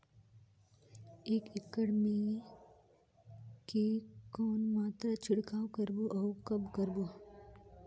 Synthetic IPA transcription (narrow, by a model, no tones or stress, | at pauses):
eːkɪkːəɽmi | kekɔːnmaːt̪ɾat͡ʃʰɪɽkaːwkəɾboʔɔːkɐbkəɾbo